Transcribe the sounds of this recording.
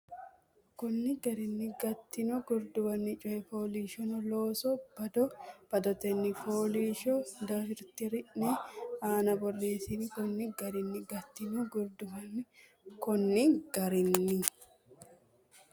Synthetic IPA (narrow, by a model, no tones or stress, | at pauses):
kɔnːɪɡɐɾɪnːɪɡɐt̪ːɪnɔɡʊɾd̪ʊbɐnːɪt͡ʃʼʊɛfoːliːʃɔnɔloːsɔb̥ɐd̪ɔb̥ɐd̪ɔt̪ɛnːɪpoːliːʃɔd̪ɐfɪɾt̪ɪɾɪʔnɛaːnɐbɔrːeːsɪnɪkɔnːɪɡɐɾɪnːɪɡɐt̪ːɪnʊɡʊɾd̪ʊbɐnːɪ | kɔnːɪɡ̥ɐɾɪnːɪ